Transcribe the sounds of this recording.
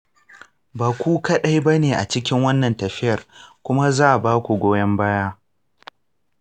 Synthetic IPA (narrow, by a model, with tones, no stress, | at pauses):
baː˨kʷuː˦kɐ˦ɗa˦jbɐ˦neː˨ʔa̰˨t͡ʃɪ˦k̬ʲɪ˦ŋwɐ˦nːɐ˨ntɐ˨ɸɪ˦jɐ˨rkʷʊ˦ma˦zaː˦ʔa˨baː˦kʷu˨ɡʷoː˦jɐ˦mbaː˦jaː˦